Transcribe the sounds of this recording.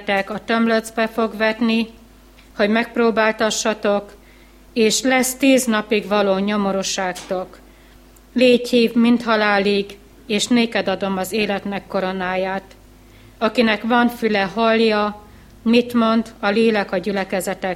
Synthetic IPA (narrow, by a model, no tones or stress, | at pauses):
t̪ɛkɒt̪ømlød̪zbɛfo̞ɡʋɛt̪ni | ho̞ɟmɛk̚proːbaːlt̪ɒʃːɒt̪o̞k | eːʃlɛst̪iːznɒpiɡvɒloːɲo̞mo̞ɾuʃaːkt̪o̞k | leːchiːvmint̪hɒlaːliɡ | eːʃneːkɛd̪ɒd̪o̞mɒzeːlɛt̪nɛkːo̞ɾo̞naːjaːt̪ | ɒkinɛkʋɒɱfylɛɦɒljɒ | mit̪mo̞nd̪ɒleːlɛkɒɟylɛkɛzɛt̪ɛ